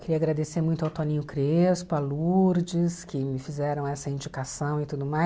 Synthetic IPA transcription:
kɪɾiɐaɡɾad̪eseɾmũj̃t̪awt̪õnĩɲʊkɾespʊaluɾd͡ʒɪskɪmɪfizɛɾɐ̃w̃ɛsɐĩnd͡ʒikasɐ̃w̃ɪt̪ud̪ʊmaj

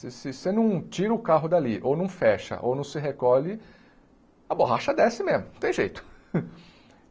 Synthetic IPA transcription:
sɪsɪsenɐ̃w̃t͡ʃiɾɐʊkaɦʊd̪aliʔownɐ̃w̃fɛʃɐ̰ʔo̰wnɐ̃w̃sɪɦekɔlɪ | ɐboɦaʃɐd̪ɛsɪmezmʊt̪ẽj̃ʒejt̪ʊ̥

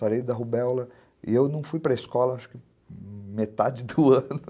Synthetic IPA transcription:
aɾejd̪ɐɦubɛwlɐ | ɪ̰ewnɐ̃w̃fujpɾɐiskɔlɐaʃʊ̥kɪ | met̪ad͡ʒɪd̪ʊɐ̃nʊ

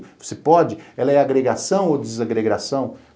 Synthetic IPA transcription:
vo̥sepɔd͡ʒɪɛlɐɛaɡɾeɡasɐ̃w̃od̪ɪzaɡɾeɡɾasɐ̃w̃

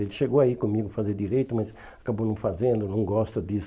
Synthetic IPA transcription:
elɪʃeɡowaikõmiɡʊfazeɾd̪iɾejt̪ʊmɐz | akabonɐ̃w̃fazẽnd̪ʊnɐ̃w̃ɡɔst̪ɐd̪is

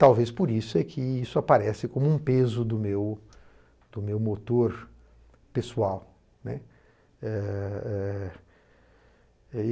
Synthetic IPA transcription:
t̪awvespoɾisʊɛkʰɪisʊapaɾɛsɪkõmʊũpezʊd̪ʊmew | d̪ʊmewmot̪oɾ | pesuaw | nɛ | ɛɛ

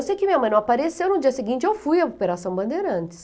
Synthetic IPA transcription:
sejkɪmĩɐmɐ̃j̃nɐ̃w̃aapaɾesewnʊd͡ʒiɐsɪɡĩnt͡ʃɪewfujɐopeɾasɐ̃w̃bɐ̃nd̪eɾɐɐ̃nt͡ʃɪ̥s

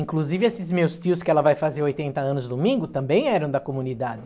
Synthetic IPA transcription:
ĩŋkluzivɪesɪzmewst̪iʊskɪɛlɐvajfazeɾojt̪ẽnt̪ɐɐ̃nʊzd̪ʊmĩŋɡʊt̪ɐ̃mbẽj̃ɛɾɐ̃w̃d̪ɐkomũnid̪ad͡ʒɪ

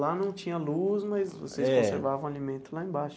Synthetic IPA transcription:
lanɐ̃w̃t͡ʃĩɲɐluzmɐjzvo̰seskɛõseɾɾvavɐ̃w̃alimẽnt̪ʊlaẽbaʃʊ

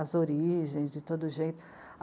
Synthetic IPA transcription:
ɐzoɾiʒẽj̃zd͡ʒɪt̪od̪ʊʒejt̪ʊ̥

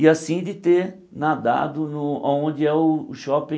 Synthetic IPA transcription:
iasĩd͡ʒɪt̪e | nad̪a̰d̪ʊnʊa̰õnd͡ʒɪɛʊːʃɔpẽ

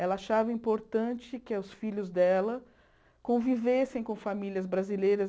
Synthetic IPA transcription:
ɛlɐaʃavɐĩpoɾt̪ɐ̃nt͡ʃɪkɪɐʊsfiʎʊzd̪ɛlɐ | kõvivesẽj̃kõfamiljɐzbɾazilejɾɐ

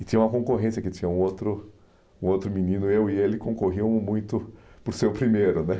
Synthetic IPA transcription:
ɪt͡ʃĩɲɐ̃ũmɐkõŋkoɦẽsjɐkɪt̪ĩɲɐũot̪ɾʊ | ũot̪ɾʊminĩnʊewielɪkõŋkoɦiɐ̃w̃mũj̃t̪ʊpoɾsewpɾimeɾʊnɛ

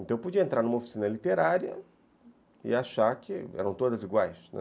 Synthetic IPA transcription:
ẽnt̪ɐ̃w̃pod͡ʒiɐẽnt̪ɾaɾnumɐofi̥sĩnɐlit̪eɾaɾjɐ̰ | ɪ̰aʃakɪɛ̰ɾɐ̃w̃t̪od̪ɐziɡwajsnɛ̰̃

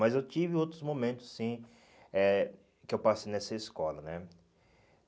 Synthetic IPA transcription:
mɐzewt͡ʃivɪowt̪ɾʊzmõmẽnt̪ʊ̥ssĩ | ɛ | kɪewpasejnɛsɐɪskɔlɐnɛ

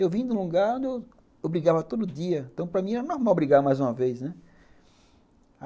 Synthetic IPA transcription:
ewvĩd̪ũluɡaɾõnd̪ɪew | obɾiɡavɐt̪od̪ʊd̪iɐẽnt̪ɐ̃w̃pɾɐmĩɛɾɐnɔɾmawbɾiɡaɾmajzũmɐvejsnɛ

